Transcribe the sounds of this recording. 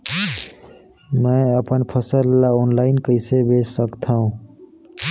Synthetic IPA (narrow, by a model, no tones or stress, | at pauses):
mə̃əpənpʰəsəlːaonlaɪnkəɪsebesːəkt̪ʰaɦũ